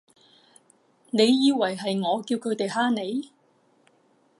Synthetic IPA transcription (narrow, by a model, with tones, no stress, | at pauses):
ne˨˧jːiː˧wɐ˨˩jɦɐ˨jŋɔː˨˧kiː˧wkʰɵ˨˧˥t̪e˨jɦaː˥ne˨˧j